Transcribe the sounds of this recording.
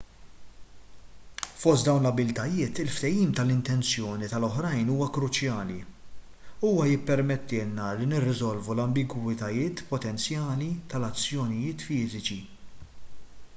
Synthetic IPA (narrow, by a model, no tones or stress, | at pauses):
fɔst̪̚d̪ɐwnlɐbɪlt̪ɐjɪːt̪ɪlft̪ɛjiːmt̪ɐlɪnt̪ɛnt͡sjɔːnit̪ɐlɔħɾɐjnuːwɐkɾʊt͡ʃjɐːli | uːwɐjɪpːɛɾmɛt̪ːɪːlnɐlinɪrːɪzɔlvulɐmbɪɡwɪt̪ɐjɪːt̪pɔt̪ɛnt͡sjɐːlit̪ɐlɐt͡sːjɔnɪjɪːt̪fɪːzɪt͡ʃi